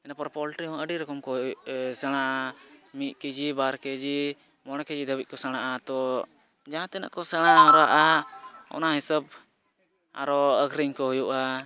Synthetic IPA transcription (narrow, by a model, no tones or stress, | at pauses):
ɛnapɔɾpɔlʈɾiɦɔ̃əɖiɾɔkɔmkɔʔsɛɽ̃aamiʔ̚kid͡ʒibaɾkɛd͡ʒi | mɔɽ̃ɛkɛd͡ʒid̪əwit̪̚kɔsaɽ̃aʔat̪ɔ | d͡ʒaãt̪ɛna̰ʔkɔsɛɽ̃aɔɾaʔaɔ̰naɦisəb | a̰ɾɔəɡɾiŋkɔɦɔjuʔa